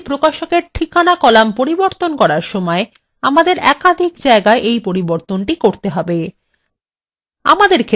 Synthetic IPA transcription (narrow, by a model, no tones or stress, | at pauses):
pɾokaʃokeɾʈʰikʰanakɔlampoɾiboɾt̪onkɔɾaɾʃɔmɔe | amad̪eɾɛkad̪ʱikd͡ʑaeɡaeʔejpoɾiboɾt̪onʈikoɾt̪eɦɔbe | a̰mad̪eɾkʰe